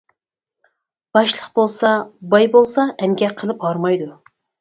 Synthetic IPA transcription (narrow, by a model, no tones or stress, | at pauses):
b̥ɑʃlˠəqbolˠsɑbɑjbolˠsɑʔɛŋɡʲɛqʰːəlˠɨphɑɾmɑjd̪u